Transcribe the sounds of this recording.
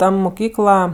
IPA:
ˈtɐ mʊˈkʲiːklˠɐ

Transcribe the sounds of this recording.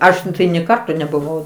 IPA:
ˈɐʃ tɐɪ nʲeː ˈkɐrtoː nʲɛbʊˈʋɐʊ

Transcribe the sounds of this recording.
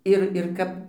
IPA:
ˈɪr ɪr ˈkɐp

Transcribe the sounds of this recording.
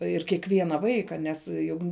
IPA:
ɪr kʲiɛˈkʋʲiɛnɐ ˈʋɐɪkɐ ˈnʲɛs ˈjʊk

